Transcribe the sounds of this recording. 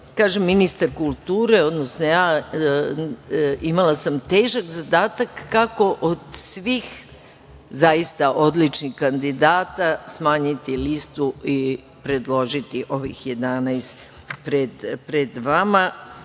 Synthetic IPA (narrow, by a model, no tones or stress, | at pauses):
kaːʒemːinist̪aɾkulˠt̪uːɾeo̞d̪nosnojaː | imalasamt̪eːʒakzad̪aːt̪akːako̞ʔod̪sʋix | zaist̪aʔo̞d̪lit͡ʃnixkand̪id̪aːt̪asmaːɲit̪ilist̪ui | pɾe̞d̪lˠo̞ʒit̪iʔo̞ʋḭxje̞d̪anajst̪ | pɾed̪pɾed̪ʋama